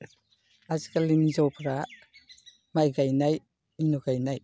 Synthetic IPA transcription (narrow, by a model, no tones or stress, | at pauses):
azikalimizɔpʰɾa | majɡajnaj | inuɡajnaj